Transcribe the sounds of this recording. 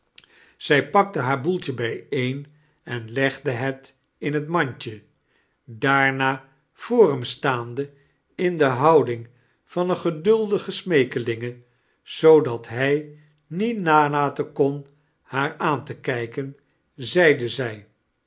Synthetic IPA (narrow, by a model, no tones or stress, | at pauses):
z̥ɛjpɑk̚təɦaːɹbulˠtəbɛjejn | ɛnlɛχdəɦɛt | ɪnətmɑɲcə | daːɹnaː | v̥oːrɛmstaːndə | ɪndəɦɑwdɪŋ | v̥ɑnəχədɵlˠdəχəsmejkəlɪŋə | z̥owdɑtɦɛj | nitnaːlaːtəkɔn | haːɹaːntəkɛjkən | zɛjdəzɛj